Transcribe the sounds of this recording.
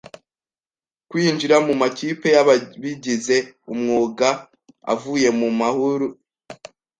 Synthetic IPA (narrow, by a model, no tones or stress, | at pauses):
kwiːnd͡ʒiɾamumaciːpe̞jaββiɟize̞umŋuːɡa | a̰vuje̞mumahuɾu